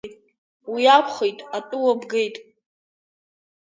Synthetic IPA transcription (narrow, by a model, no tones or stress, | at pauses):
wiapʰχejtʼatʼuwabɡe̞jtʼ